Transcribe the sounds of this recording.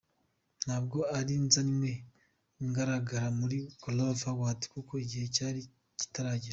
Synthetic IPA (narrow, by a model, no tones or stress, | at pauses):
n̥haːbɡo̞aɾinzanimwe̞ | ŋɡaɾaɡaɾamuɾikolovawaːti̥kukoiɟihe̞caːɾi | ci̥taɾaɟiɾa